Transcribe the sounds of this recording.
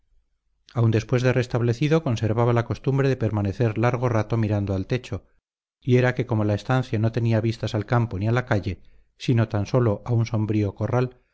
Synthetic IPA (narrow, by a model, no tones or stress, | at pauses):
awnd̪e̞spwe̞zðe̞re̞st̪aβle̞θiðo̞ko̞nse̞ɾβaβalako̞st̪umbɾe̞ðe̞pe̞ɾmane̞θe̞ɾlaɾɣ̞o̞rat̪o̞miɾand̪oalt̪e̞t͡ʃo | ie̞ɾake̞ko̞mo̞lae̞st̪anθjano̞t̪e̞niaβist̪asalkampo̞nialakaʎe̞ | sino̞t̪anso̞lo̞ʔaunso̞mbɾio̞ko̞ral